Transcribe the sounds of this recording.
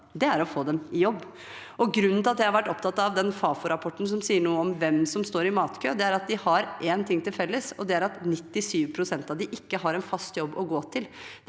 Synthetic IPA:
d̪ɛæɾɔfoːd̪ɛmɪjɔbː | ʔɔɡɾʉnːnʰɪɑt̪d̪ɛɪɑɾʋæʈːɔp̚t̪ʰɑt̪ːɑʋd̪ɛnfɑːfʊɾɑpʰɔʈːn̩s̬ɔmsiːəɳuːəɔmʋɛmsɔmst̪oːɾɪmɑːt̪kʰøːd̪ɛæɾɑt̪̚d̪ɪhɑɾʔeːnt̪ʰɪŋːt̪ɪlfɛlːəsɔd̪ɛæɾɑt̪nɪt̪ːɪsyːʋpʰɾʊsɛnt̪ɑʋd̪ɪʔɪkːəɦɑɾɛnfɑst̪jɔbːɔɡoːt̪ʰɪl

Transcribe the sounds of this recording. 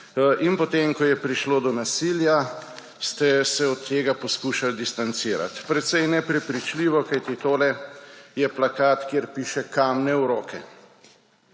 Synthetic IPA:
ʔinpɔt̪emkɔjɛpɾiʃloːd̪ɔnasilja | st̪ɛsɛɔt̪ʰːeːɡapɔskuːʃald̪ist̪ant̪siːɾa̰t̪pɾɛt̪sɛjnɛpɾɛpɾit͡ʃliːʋɔkajt̪it̪oːlɛjɛplakaːt̪kjeɾpiːʃɛkaːmnɛwɾoːkʰɛ̰

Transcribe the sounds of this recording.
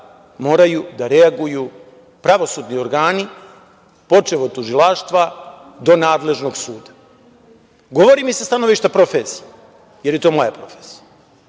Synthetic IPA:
mo̞ːɾajud̪aɾeaɡuju | pɾaʋo̞suːd̪nio̞ɾɡaːni | po̞t͡ʂeʋot̪ːuʒilaʃt̪ʋa | d̪o̞naːd̪le̞ʒno̞ɡsuːd̪ḁ | ɡo̞ʋo̞ɾimisest̪ano̞ʋiʃt̪apɾo̞fesije | je̞ɾjet̪o̞ːmojapɾo̞fesi̥ja

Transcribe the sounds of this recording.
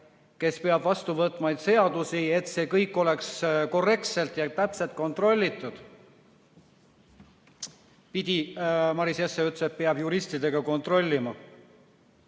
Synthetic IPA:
ke̞spe̞ɑb̥vɑst̪uvɤt̪ˑmɑjd̪se̞ɑd̪̥usie̞t̪se̞ːkɤjkːˑo̞le̞ksko̞re̞k̚t̪se̞lt̪ˑjɑt̪æpse̞lt̪̚ko̞nt̪ro̞lʲːit̪ːˑud̪̥ | pid̪̥ʲimɑɾisjesːeyt̪ːset̪̚peɑbjuɾist̪id̪̥e̞ɡ̥ɑko̞nt̪ro̞lʲːimɑ

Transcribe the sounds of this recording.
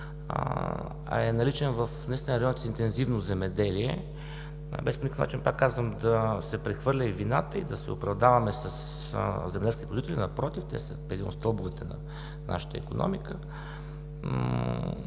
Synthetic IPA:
ɐ̰ɛnɐlit͡ʃɛnvəfnist̪nəɾɐjɔnt̪sint̪ɛnzivnozɛmɛd̪ɛliɛ̰ | bɛsponʲikəfnat͡ʃinpakːazvəmd̪ɐsɛpɾɛxvɤɾlʲəivinat̪əid̪ɐsɛʊpɾɐvd̪avɐmɛsəs | zɛmɛd̪ɛlskʲit̪pozit̪ɛlinɐpɾɔt̪ift̪ɛ̰sə̰pɛd̪ino̰st̪əlˠbʊvɛt̪ɛnɐ̰ | na̰ʃə̥t̪ə̰ḭkonɔ̰mikə

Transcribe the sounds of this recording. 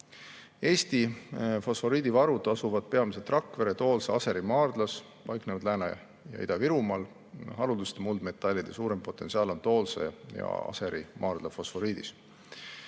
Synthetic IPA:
e̞ːst̪ifo̞sfo̞ɾiːd̪ivɑɾud̪ɑsuvɑd̪̥̚pe̞ɑmis̬et̪ːˑrɑkːve̞ɾe̞t̪oːlseɑse̞ɾimɑːrd̪̥lɑs | pɑjknevɑd̪læːnɑ | jɑ̰id̪̥ɑviɾumɑːl | ɦɑɾud̪ust̪emuld̪me̞t̪ːˑɑlʲid̪̥esuːɾe̞mpo̞t̪ːˑe̞nsiɑːlo̞nt̪o̞ːlsḛjɑ̰ɑ̰se̞ɾimʔɑːrd̪̥lɑfo̞sfo̞ɾiːd̪is

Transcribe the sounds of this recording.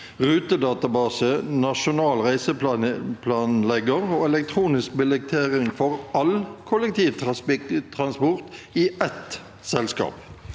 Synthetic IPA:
ʁʉːt̪əd̪ɑːt̪ɑbɑːsənɑʃʊnɑːlʁæɪsəpʰlɑːnlɛɡəʁoːɛlɛk̚t̪ʰʁuːnɪsk̚bɪlɛk̚t̪ʰeːʁɪŋfɔʁɑlkʰʊlɛk̚t̪ʰiːʋt̪t̪ʰʁɑnspɔʁt̪iɛt̪ | sɛlskɑ̰ːp

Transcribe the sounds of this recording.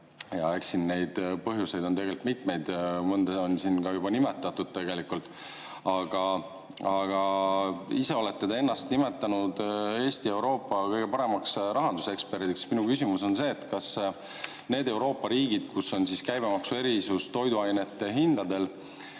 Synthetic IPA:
jɑeksinːe̞jd̪̥pɤɦjuse̞jd̪̥o̞nt̪e̞ɡe̞lt̪mit̪ˑme̞jd̪̥mɤnd̪eo̞nsinkɑjubɑnime̞t̪ːˑɑt̪ːˑud̪̥̚t̪e̞ɡe̞likult̪ːˑ | ɑɡ̥ɑ | ɑɡ̥ɑ | ise̞o̞le̞t̪ːed̪ee̞nːɑst̪nime̞t̪ːˑɑnud̪e̞ːst̪ie̞wɾo̞ːpːˑɑkɤjɡ̥e̞pɑɾe̞mɑksɾɑɦɑnd̪use̞kspe̞ɾt̪iksminukysimuso̞nse̞ːt̪ːkɑs | ne̞ːd̪̥e̞uɾo̞ːpˑːɑɾiːɡ̥id̪̥kuso̞nsiskæjbe̞mɑksue̞ɾisust̪o̞jd̪uɑjne̞t̪ːˑe̞ɦind̪̥ɑd̪e̞l

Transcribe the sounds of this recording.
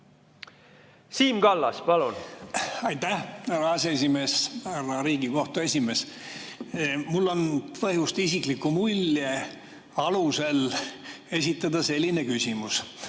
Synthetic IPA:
siːmɡɑlːɑ̰spɑlunɑjt̪ːæhhærɑɑsees̬ʲime̞ːshærɑɾiːɡiko̞ht̪ue̞sʲime̞ːs | mulːo̞npɤɦjust̪isiklikːˑumulʲːe | ɑluse̞l | e̞s̬ʲit̪ːˑɑd̪ɑse̞lʲːine̞kysʲimus

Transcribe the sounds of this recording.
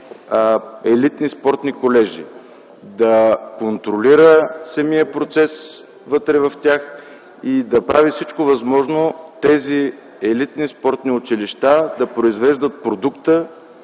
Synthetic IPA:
ɛlit̪nispɔɾt̪nikolɛʒḭ | d̪ɐkont̪ɾoliɾəsɐmiəpɾot̪sɛs | vɤt̪ɾɛvɐft̪ʲjax | id̪ɐpɾavifsit͡ʃkovɐzmɔʒnot̪ɛzi | ɛlit̪nispɔɾt̪niʊt͡ʃiliʃt̪ad̪ɐpɾoizvɛʒd̪ət̪̚pɾod̪ukt̪ə

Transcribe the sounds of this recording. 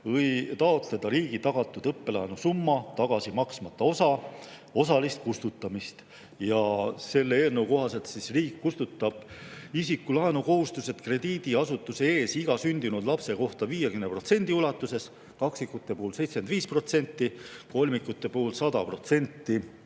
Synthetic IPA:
ɤjt̪ɑo̞t̪le̞d̪̥ɑɾiːɡ̥it̪ɑɡ̥ɑt̪ːˑud̪ɤpːe̞lɑenusumːɑt̪ɑɡ̥ɑsimɑksmɑt̪ːˑɑo̞sɑ | o̞sɑlist̪̚kust̪ut̪ːˑɑmist̪ | jɑse̞lːeeːlnewko̞ɦɑse̞lt̪sisriːkːust̪ut̪ˑːɑb̥isikːulɑenuko̞ɦust̪use̞t̪kre̞d̪̥iːd̪̥iɑsut̪ːˑuse̞e̞ːsiɡ̥ɑsynʲd̪̥inud̪lɑpse̞ko̞ht̪ɑviːjekymnepro̞t̪se̞nʲd̪̥iulɑt̪ːˑuse̞s | kɑksikːut̪ːˑe̞puːlse̞jt̪sme̞nd̪viːspro̞t̪se̞nʲt̪ːˑiko̞lʲmikːˑut̪ːˑe̞puːlsɑd̪ɑpro̞t̪se̞nʲt̪ːi

